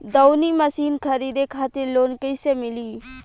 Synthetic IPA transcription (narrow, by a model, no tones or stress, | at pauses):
d̪əwniməsiːnkʰəɾiːd̪ekʰaːt̪ɪɾloːnkəɪsemɪliː